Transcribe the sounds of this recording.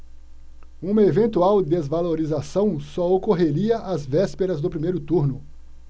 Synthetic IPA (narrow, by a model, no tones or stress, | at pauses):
ũmɐevẽnt̪uawd̪ezvaloɾizasɐ̃w̃sɔokoɦeɾiɐʔazvɛspeɾɐzd̪ʊpɾimejɾʊt̪uɾnʊ